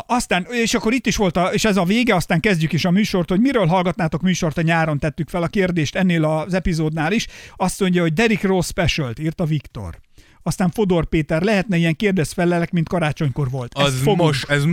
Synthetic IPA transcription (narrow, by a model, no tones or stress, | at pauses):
ɒst̪aːneːʃɒkːo̞ɾit̪ːiʃʋo̞lt̪ɒeːʃɛzɒveːɡɛɒst̪aːŋkɛzɟykeːʃɒmyːʃo̞rt̪ho̞ɟmiɾøːlɦɒlɡɒt̪naːt̪o̞kmyːʃo̞rt̪ɒɲaːɾo̞nt̪ɛt̪ːykfɛlɒkeːrd̪eːʃt̪ɛnːeːlɒzɛpizoːd̪naːliʃɒst̪so̞ɲɟɒɦo̞ɟ̚d̪ɛɾikrospɛʃølt̪iːrt̪ɒvikt̪o̞̰r | ɒst̪aːɱfod̪orpeːt̪ɛrlɛɦɛt̪nɛijɛŋkeːrd̪ɛsfɛlːɛlɛkmint̪̚kɒɾaːt͡ʃo̞ɲko̞rvo̞lt̪zfoʃɛz